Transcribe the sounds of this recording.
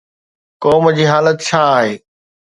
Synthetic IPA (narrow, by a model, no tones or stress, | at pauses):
kɔːmd͡ʑiːɦaːlət̪t͡ɕʰaːɦeː